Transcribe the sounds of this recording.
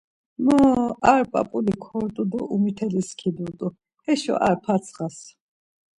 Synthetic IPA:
məaɾpʼa̰pʼulikʰɔɾt̪ʼud̪ɔʔumit̪ʰɛliskʰid̪uɾt̪ʼu | ɛʃɔ̰ʔaɾpʰat̪sʰχas

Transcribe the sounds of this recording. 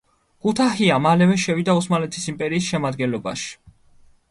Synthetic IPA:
ɡ̥ut̪ʰahiamalɛvɛʃɛvid̪ausmalɛt̪ʰisimpʼɛɾiːsʃɛmad̪ɡɛnlɔba̰ʃi̥

